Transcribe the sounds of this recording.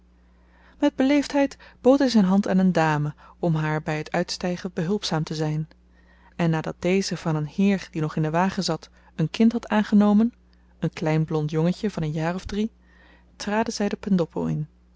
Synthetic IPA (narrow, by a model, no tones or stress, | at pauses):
mɛd̚bəlejftɦɛjtb̥owtɦɛjzɛjnɦɑnta̰ːnəndaːməɔmɦaːɹbɛjɦətʰœɥtstɛjχəbəɦɵlˠpsaːmtəzɛjn | ɛnːaːdɑ̰t̚d̥ejzəv̥ɑnənhɪːrd̥inɔχɪndəʋaːχəzɑt | ənkɪntɦɑtaːnχənowmən | ənklɛjnblɔntjɔŋəcəvɑnənjaːrɔvdri | traːdənzɛjdəpɛndɔpʰo̰ɪ̰n